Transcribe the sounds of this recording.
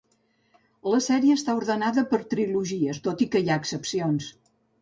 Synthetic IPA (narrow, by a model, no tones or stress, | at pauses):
ləsɛɾiəːst̪auɾðənaðəpəɾt̪ɾiluʒiəst̪ot̪ikəiaəksəpsions